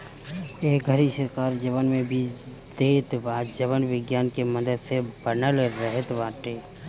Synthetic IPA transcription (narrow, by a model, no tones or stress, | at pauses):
eːk̚ɡʱəɾisəɾkaːɾd͡ʒəβənmẽbiːt͡ʃ | d̪et̪baːd̪d͡ʒəβənʋɪɡjaːnkeməd̪əd̪sebənəlɾəɦət̪baːʈeː